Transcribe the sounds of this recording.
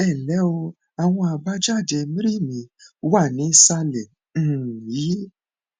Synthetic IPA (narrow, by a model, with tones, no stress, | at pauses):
ɛ˦˨lɛ˨˦o˧ | a˨w̃ɔ̃˧a˨ba˦d͡ʒa˦˨de˧mĩ˦ɾi˦˨mĩ˨˦a˦˨nĩ˨˦sa˧lɛ˨ | ji˨˦